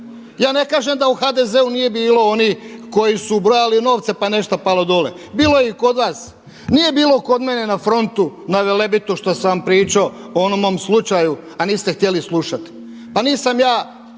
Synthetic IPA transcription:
jaːne̞kaːʒemd̪auxad̪e̞ze̞unije̞biːlo̞o̞niko̞jisubɾo̞jalino̞ːʋt̪se̞pane̞ʃt̪apalod̪o̞lḛ | biːlˠo̞jeiko̞d̪ʋaːs | nije̞biːlo̞ko̞d̪mene̞nafɾo̞nt̪unaʋelebit̪uʃt̪osaʋampɾiːt͡ʃaoonomomslˠut͡ʃaju | aniːst̪e̞xt̪je̞lislˠuʃat̪i̥ | paniːsamjaː

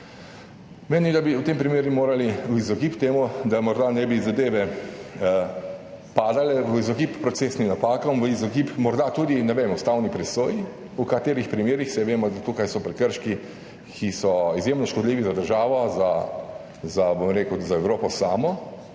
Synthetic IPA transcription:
meːnid̪abiwt̪eːmpɾimeːɾjumoːɾaliizɔkipt̪eːmud̪amɔɾd̪anɛbizad̪eːʋɛ | paːd̪alɛʋəizɔkipːɾɔt̪sesnimnapaːkɔmʋəizɔkiːpmɔɾd̪at̪uːd̪inɛʋeːmust̪awnipɾɛsoːji | ukat̪eːɾixpɾimeːɾixsɛʋeːmɔd̪at̪ukajsɔpɾɛkəɾʃki | kʰisɔizjemnɔʃkɔd̪liːʋizad̪əɾʒaːʋɔza | zabomɾeːkəwzaɛwɾoːpɔsaːmɔ

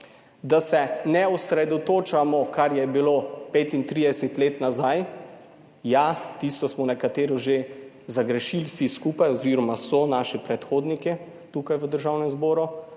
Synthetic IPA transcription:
d̪asɛnɛɔsɾɛd̪ɔt̪oːt͡ʃamɔkaɾjɛbiloːpeːt̪int̪ɾid̪ɛsɛt̪leːt̪nazaj | jat̪ist̪ɔsmɔnɛkat̪eːɾɔʒe | zaɡɾɛʃilsiskupajɔziɾɔmasɔnaːʃɛpɾɛt̪xoːd̪nikɛ | t̪uːkajʋəd̪əɾʒawnɛmzbɔːɾu

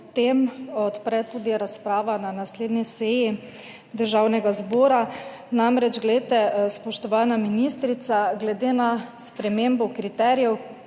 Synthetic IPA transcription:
t̪emɔt̪pɾɛt̪uːd̪iɾaspɾaːʋananasleːd̪nisɛji | d̪əɾʒawnɛɡazbɔːɾa | namɾɛd͡ʒɡlɛet̪ɛspɔʃt̪ɔʋaːnaminiːst̪ɾit̪saɡlɛd̪eːnaspɾɛmeːmbɔkɾit̪ɛːɾjɛw

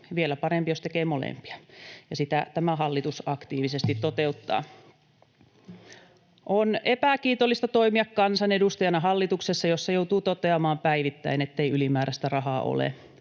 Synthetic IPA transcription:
ʋielæpɑrempijost̪ekeːmolḛmpi̥ɑjɑsit̪æt̪æmæhɑlːit̪usɑkt̪iːʋisest̪it̪t̪ot̪eut̪ːɑ̰ː | ʔonepækiːt̪olːˑist̪ɑt̪oimiɑkkɑnsɑnedust̪ɑjɑnɑɦɑlːit̪uksesːɑjosːɑjout̪uːt̪ot̪eɑmɑːmpæiʋit̪ːæ̰inet̪ːeiylimæːɾʔæst̪ærɑhɑːʔo̰lḛ

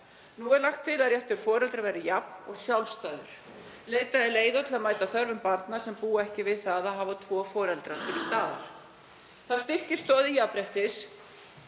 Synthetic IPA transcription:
nuɛɾlaxt̪ʰːɪlaðjɛft̪ɪɾ̥fɔːɾɛlt̪ɾavɛɾɪjapnɔɣsjawlst̪aːðʏɾ̥ | leːjt̪aðɛleːjðat̪ʰɪlaðmaːjt̪aθœɾvʏmpaɾt̪nasɛmpuːɛhcɪvɪðθaðaðɦavat̪ʰvɔːfɔːɾɛlt̪ɾat̪ʰɪlst̪aːða̰ɾ̥ | θast̪ɪr̥cɪst̪ɔːðijapɾɛht̪ɪs

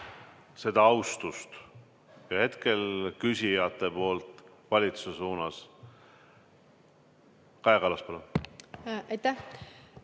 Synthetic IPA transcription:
se̞d̪̥ɑɑwst̪ust̪ | jɑhe̞t̪ke̞lkysʲijɑt̪ːˑe̞po̞ːlt̪ˑvɑlʲit̪su̥sesuːnɑs | kɑeɡ̥ɑlɑspɑlun | ɑjt̪ːæh

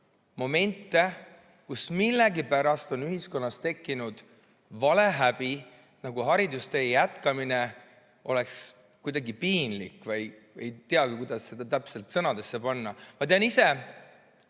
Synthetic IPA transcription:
mo̞me̞nt̪ːe̞ | kusmilːeɡipæɾɑst̪o̞nyɦisko̞nːɑst̪e̞kːinud̪̥ | vɑle̞ɦæb̥i | nɑɡ̥uɦɑɾid̪ust̪e̞jæt̪kɑmine̞ | ʔo̞le̞ks | kujd̪̥ɑɡipiːnlḭkːˑvɑj | e̞̰jt̪eɑɡ̥ikujd̪̥ɑsːe̞d̪̥ɑt̪æpse̞lt̪ˑsɤnɑd̪e̞sːe̞pɑnːɑmɑt̪eɑnise̞

